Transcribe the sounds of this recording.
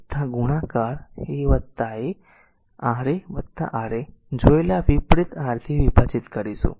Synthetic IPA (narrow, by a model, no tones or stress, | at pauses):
t̪ʰːãɡuɽ̃akaɾheʋət̪ːae | aɾeʋət̪ːa̰ʔaɾed͡ʒojlaʋipɾit̪aɾt̪ʰiʋipat͡ʃit̪kəɾisṵ